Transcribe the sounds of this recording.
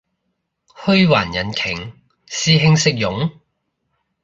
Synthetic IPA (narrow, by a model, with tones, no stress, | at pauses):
hɵ˥ɥwaː˨˩njɐ˨˥nkʰɪ˨˩ŋ | siː˧ɦɪ˥ŋsɪ˥k̚jʊ˨˥ŋ